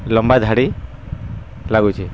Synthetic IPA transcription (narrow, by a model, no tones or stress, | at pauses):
lɔmbad̪ʱaɽi | laɡut͡ʃʰi